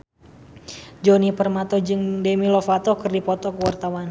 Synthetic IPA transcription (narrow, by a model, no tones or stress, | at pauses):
d͡ʒɔnipərmat̪ɔd͡ʒɨŋdɛmilɔfat̪ɔkɨrdipɔt̪ɔkəwart̪awan